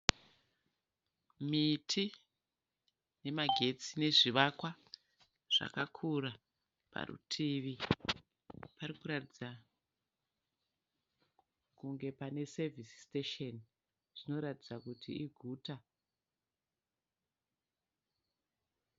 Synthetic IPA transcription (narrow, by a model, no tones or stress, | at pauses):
mitʰi | ne̞maɡʱe̞t͡sine̞ʐiʋakwa | ʐ̥a̰kakʰura | pa̰rṵtʰiʋi | paɾikuɾatid͡za | kuŋɡe̞pane̞sevisi̥steʃen | ʐ̥ino̞ɾatid͡zakutiːɡʱuːta